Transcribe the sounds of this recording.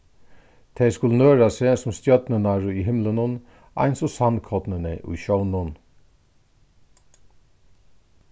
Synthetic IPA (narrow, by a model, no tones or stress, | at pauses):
t̪ʰɛjskʊlnøːɹasesʊmst̪jœd̪nənaɹʊiɦɪmlənən | a̰ɪnsʊsankʰɔd̪nənəʔṵjʃœwnʊn